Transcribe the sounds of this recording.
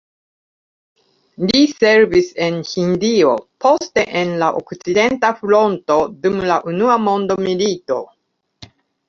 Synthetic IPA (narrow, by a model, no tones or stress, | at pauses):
lise̞ɾvise̞nhindio̞po̞ste̞ʔenlaʔo̰kt͡side̞ntaflo̞nto̞dumlaʔunuamo̞ndo̞milito̞